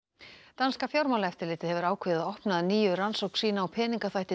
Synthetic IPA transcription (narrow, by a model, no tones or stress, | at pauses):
t̪anskafjɔɾmawlaɛft̪ɪlɪːt̪ɪðhɛvʏɾaːwkʰvɪːðɪðaɔhpnaðniːjʏransowkn̥siːnaɔwpʰɛːniŋkaθajht̪ɪ